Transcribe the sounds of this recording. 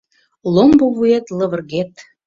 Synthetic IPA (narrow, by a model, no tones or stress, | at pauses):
lomboβuet̪lə̆βə̆rɣet̪